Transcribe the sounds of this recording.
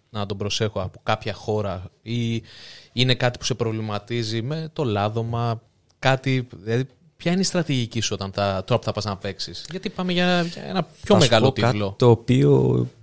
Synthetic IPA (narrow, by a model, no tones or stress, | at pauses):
nɐt̪o̞bɾo̞se̞xoɐpokɐpçɐxo̞ɾɐi | ine̞kɐt̪i̥pu̥se̞pɾo̞vlimɐt̪izime̞t̪o̞lɐðo̞mɐ | kɐt̪ilɐði | pçɐineist̪ɾɐt̪iʝicisuo̞t̪ɐnθɐt̪oɾɐpuθɐpɐznɐpe̞ksisʝɐt̪ipɐmeʝɐʝɐḛnɐpço̞meɣɐlot̪itlo̞t̪oːpio̰